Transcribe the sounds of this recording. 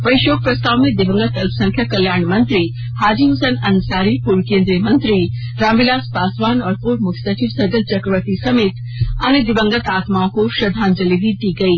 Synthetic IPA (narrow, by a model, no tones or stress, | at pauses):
ʋɐjʃoːk̚pɾɐst̪aːʋmẽd̪ɪbə̃ŋɡət̪ɐlpʰsɐ̃ŋkʰjakɐljaːɳmɐ̃nt̪ɾi | haːd͡ʒiɦʊsənɐnsaːɾipuɾkẽːnd̪ɾijəmɐ̃nt̪ɾi | ɾãːmʋɪlaːspaːsʋaːnɔːɾpuːɾmʊkʰjsɐt͡ʃiʋsɐɾɡəlt͡ʃɐkɾəʋət̪isɐmeːt̪ | ɐned̪ɪbə̃ŋɡət̪aːt̪maːõkoʃɾɐd̪ʱaːnd͡ʒɐlibʱid̪iɡɐiː